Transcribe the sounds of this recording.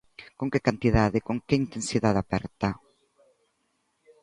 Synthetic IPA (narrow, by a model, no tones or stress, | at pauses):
kõŋkɪkant̪iðaðɪkoŋkɪint̪ẽnsiðaðapɛɾt̪a